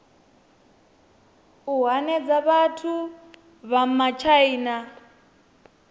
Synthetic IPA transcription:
uɦanɛd͡zaβatʰu | βam̩mat͡ʃʰaiːna

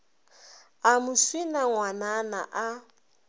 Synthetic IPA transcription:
amʊswinaŋwanana̰ʔa

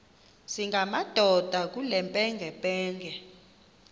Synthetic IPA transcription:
siŋɡʱamad̥ʱɔd̥ʱak̬ulɛmpʼɛŋɡʱɛpʼɛːŋɡʱɛ

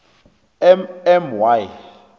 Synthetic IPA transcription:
ɛmɛmwaj

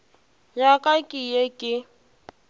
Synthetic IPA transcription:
jakʼakʼɪjekʼɪ

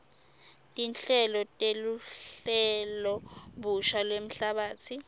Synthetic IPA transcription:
tʼinɬɛlɔtʼeluɬɛlɔɓuʃalwem̩ɬaɓaːt͡sʰi

